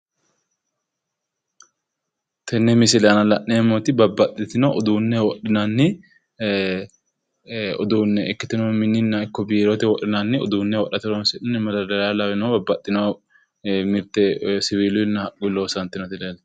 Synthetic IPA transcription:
t̪ɛnːɛmɪsɪlanɐlɐʔneːmot̪ɪbɐbːɐt̪ʼːɪt̪ɪnɔɔd̪uːnːɛwɔɗɪnanːɪ | ɔ̰d̪uːnːɛʔɪkːɪt̪ɪnomɪnːɪnːɐɪkːɔbiːɾot̪ɪwɔʔɪnanːɪɔd̪uːnːɛwɔʔːɐt̪ɪɾonsɪʔɪnːɛmɐd̪ɐd̪ɐɾalɐwɪnɔbɐbːɐt̪ʼːɪno | mɪɾt̪ɛsɪwiːlʊɪnːɐhɐkʼːɪloːsɐnt̪ːɪnɔt̪ɪleːl

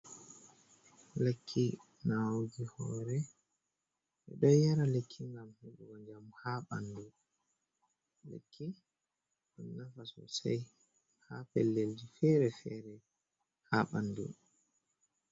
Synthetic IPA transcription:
lekʰːi | nawɡihɔːɾɛ | ʔɛ̰ɗɔjɛɾalekʰːiŋɡamhuɓɔɡɔɲd͡ʒamhaːɓandu | lḛkʰːi | ɗɔnːafasɔ̰saj | hapɛlːeld͡ʒifɛɾɛfɛɾɛ | haɓandṵ

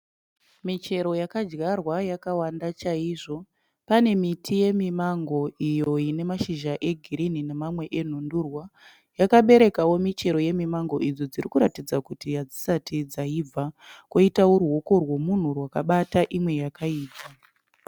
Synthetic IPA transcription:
mit͡ʃe̞ɾo̞jakad͡ʒɡarwajakawandat͡ʃaiːʐo̞ | pane̞mitʰije̞mimaŋɡo̞ʔijo̞ine̞maʃiʒaʔe̞ɡʱiɾininemamwe̞ʔen̤ondurwa | jakaɓe̞ɾe̞kawo̞mit͡ʃe̞ɾo̞je̞mimaŋɡo̞ʔid͡zo̞d͡zirikuɾatid͡zakutijad͡zi̥satid͡zaib͡vʱakoitaworuo̞ko̞rwo̞mun̤urwakaɓataʔimwe̞jakaiːpa

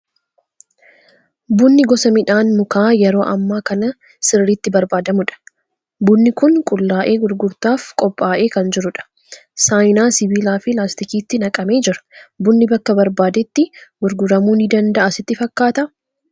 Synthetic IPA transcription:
bʊnːɪɡɔsɐmɪᶑaːnmʊkaːjɛɾo̞ːʔɐ̰mːaːkɐnɐ | sɪrːit̪ːɪbɐɾbaːd̪ɐmʊᶑɐ̥ | bʊnːɪkʊŋkʼʊlːaːʔe̞ːɡʊɾɡʊɾt̪aːfkʼɔpʼːaːʔe̞ːkɐnd͡ʒɪɾʊᶑɐ̥ | saːjnaːsɪbiːlaːfɪlaːst̪ɪkiːt̪ːɪnɐkʼɐme̞ːd͡ʒɪɾɐ̥bʊnːɪbɐkːɐbɐɾbaːd̪ɛt̪ːɪɡʊɾɡʊɾɐmuːnɪd̪ɐnd̪ɐʔɐsɪt̪ːɪfɐkːaːt̪ɐ

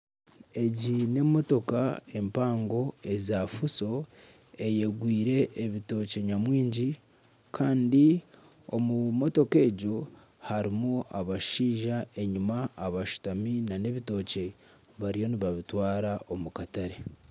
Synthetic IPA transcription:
e̞ɟine̞mo̞to̞kae̞mpaːŋɡo̞e̞zaːfuso̞ | e̞je̞ɡwiːɾe̞ʔːβito̞ːce̞ɲamwiːɲɟi | kʰaːndi | omumo̞to̞ke̞ːɟo̞ | haɾimuaβaʃiːʒae̞ɲumaːβaʃu̥taminane̞βito̞ːce̞ | βaɾijo̞niβaβitwaːɾaʔo̞mukataɾe̞

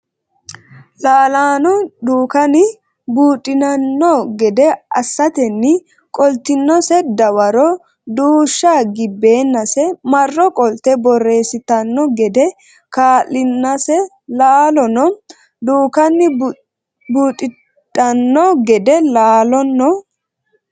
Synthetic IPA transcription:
laːlaːnɔd̪uːkɐnɪ | buːt̪ʼːɪnɐnːɔɡɛd̪ɛʔɐsːɐt̪ɛnːɪ | kʼɔlt̪ɪnːɔsɛd̪ɐwɐɾɔ | d̪uːʃːaːɡɪbːeːnːɐsɛmɐrːɔkʼɔlt̪ɛbɔre̞ːsɪt̪ɐnːɔɡɛd̪ɛ | kaːlːɪnːɐsɛ | laːlɔnɔ | d̪uːkɐnːɪ | buːt̪ʼːɪ | tʼɐnːɔɡɛd̪ɛlaːlɔnːɔ

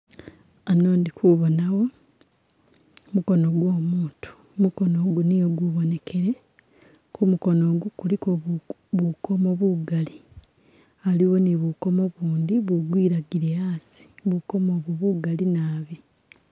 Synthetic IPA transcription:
anoːndikuβonawo̞ | muko̞no̞ɡwo̞ːmuːntʰu̥ | muko̞no̞ɡunijoɡuβone̞kʰe̞ɾe̞ | kumuko̞no̞ːɡukuliko | βuko̞mo̞βuɡali | aliwo̞niβuko̞mo̞βuːndiβuɡwiːɾaɡiɾeaːsi̥βuko̞moːβoβuɡalinaːβi

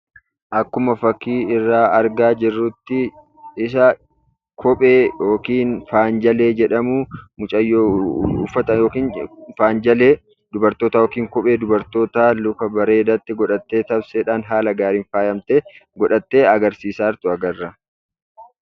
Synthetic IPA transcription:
ʔɐkːʊmɐfɐkːiːɪrːaːʔɐɾɡaːd͡ʒɪrːuːt̪ːɪ | ɪs̬ɐ | kʰɔpʼeːjo̞ːkiːnfaːnd͡ʒɐle̞ːd͡ʒɛᶑɐmuːmʊt͡ʃʼɐjːoːṵːfːɐt̪ɐjoːkiːnfaːnd͡ʒɐleː | d̪ʊbɐɾt̪oːt̪ɐjoːkiːŋkɔpʼe̞ːd̪ʊbɐɾt̪o̞ːt̪aːlʊkɐbɐɾe̞ːd̪ɐt̪ːɪɡɔᶑɐt̪ːe̞ːt̪ɐbseːᶑaːnɦaːlɐɡaːɾiːnfaːjɐmt̪eːɡɔᶑɐt̪ːe̞ːɐɡɐɾsiːsaːɾt̪ʊɐɡɐrːɐ

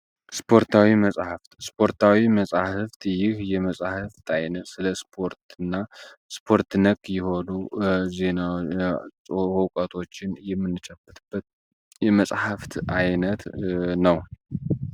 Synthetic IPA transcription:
spʰo̞ɾt̪ʰawiməsʼhaft̪spʰo̞ɾt̪ʰawiməsʼahɨft̪jɪhjɛməsʼhɨft̪ʰajnəsɨləspʰo̞ɾt̪ɨnːaspʰo̞ɾt̪nəkʼːjɛho̞nuze̞na | hokʼat̪ʰo̞t͡ʃːɪnjɛmːɨnːɨt͡ʃʼəbɨt̪ʰʼɨbːət̪ | jɛməsʼhaft̪ajnət̪nəw

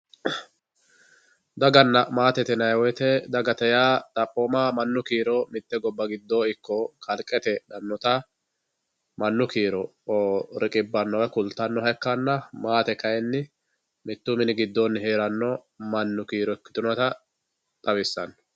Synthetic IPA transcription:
d̪ɐɡɐnːɐmaːt̪ɛt̪ɛnɐjwɔjt̪ɛd̪ɐɡɐt̪ɛjaːt̪ʼɐpʼːoːmaːmɐnːʊkiːɾɔmɪt̪ːɛɡɔbːɐɡɪd̪ːo̞ːɪkːɔkʰɐlkʼːɛt̪ɛᶑɐnːɔt̪ɐ | mɐnːʊkiːɾɔoɾɪkʼɪbːɐnːɔwɛkʊlt̪ːɐnːɔɦɐjkːɐnːɐmaːt̪ɛkɐjɛnːɪ | mɪt̪ːʊmɪnɪɡɪd̪ːoːnːɪheːɾɐnːɔ | mɐnːʊkiːɾɔkːɪ̥t̪ʊnɐt̪ɐ | t̪ʼɐbɪsːɐn

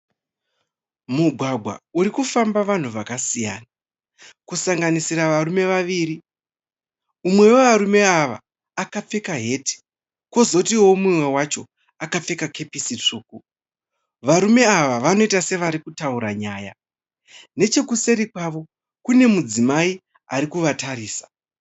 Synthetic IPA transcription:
muɡʱwaɡʱwa̰uɾikufambaʋan̤uʋakasija̰ːna | kusaŋɡanisiɾaʋarume̞ʋaʋiːɾi | umwe̞woʋaɾume̞aʋa̰ː | kap͡fe̞kaɦe̞ːti̥ | ko̞zokutiwomumwe̞wat͡ʃo̞ | akap͡fe̞kakʰe̞pisit͡ʂuːku | ʋaɾume̞aʋaʋano̞itase̞ʋaɾikutauɾaɲaːja̰ | ne̞t͡ʃe̞kuse̞ɾikwaʋo̞ | kune̞mud͡zimai | a̰ɾikuʋataɾiːsḁ

